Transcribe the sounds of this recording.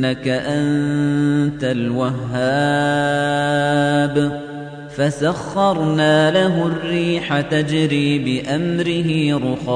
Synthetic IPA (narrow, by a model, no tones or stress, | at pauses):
akaʔan | t̪alwaɦːaː | b | fasaxːɑɾˤnaːlaɦʊrːiːħat̪ad͡ʒɾiːbɪʔamɾɪɦɪɾʊxɑ